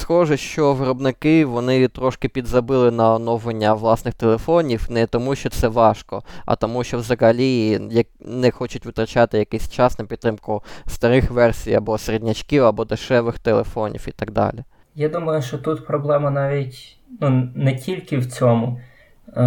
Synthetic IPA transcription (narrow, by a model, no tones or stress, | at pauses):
sxɔʒɛʃt͡ʃɔʋɪɾɔbnɪkɪʋɔnɪt̪ɾɔʃkɪpʲid̪zɐbɪlˠɪnɐɔnɔwʋenʲːɐʋlˠɑsnɪxt̪elˠefɔnʲiwnɛt̪ɔmuʃt͡ʃɔt̪sɛʋɑʃkɔɐ̰t̪ɔmuʃt͡ʃɔwzɐɦɐlʲijɐknɛxɔt͡ʃʊtʲʋɪt̪ɾɐt͡ʃɑt̪ɪjɐkɛsʲt͡ʃɑsnɐpʲid̪t̪ːɾɪmkʊst̪ɐɾɪxʋɛrsʲijɐ̰bɔseɾedʲnʲɐt͡ʃkiwɐbɔd̪ɪʃɛʋɪxt̪elˠḛfɔnʲḭwit̪ɐɡ̚d̪ɑ̰lʲi | jad̪umɐjʊʃt͡ʃɔt̪ut̪pɾɔblˠɛmɐnɑʋʲitʲ | nunɛtʲilʲkɪwt͡sʲɔmʊ